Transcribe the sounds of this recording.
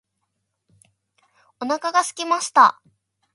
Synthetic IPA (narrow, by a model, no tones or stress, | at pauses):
o̞nakaɡasɨ̥kʲimaɕi̥t̪a̰